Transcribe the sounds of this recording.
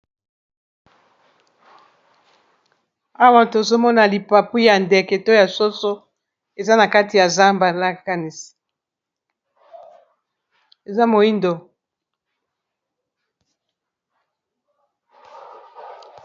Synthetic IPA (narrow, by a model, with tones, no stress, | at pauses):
a˦wa˦to˨zo˦mɔ˦na˨li˨pa˨pi˦ja˨ndɛ˨kɛ˨to˦ja˨so˦so˦ | e˨za˦na˨ka˦ti˨ja˨za˦mba˨la˦ka˦ni˨si̥˨ | e˨za˦mo˨i˦ndo˨